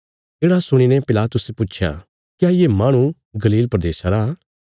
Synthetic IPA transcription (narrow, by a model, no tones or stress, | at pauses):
d͡ʒeːɽasʊɽ̃inɛpɪlaːt̪ʊsepʊt͡ʃʰja̰ | kɪjaːjemaːɽ̃ũ | ɡɐliːlpɾəd̪eːʃaɾaː